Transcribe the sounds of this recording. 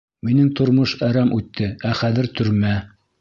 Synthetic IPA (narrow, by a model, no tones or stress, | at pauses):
minɘŋt̪ŏɾmoʃæɾæmʔʉt̪ːɘæχæðɘɾt̪ʰɵ̆ɾmæ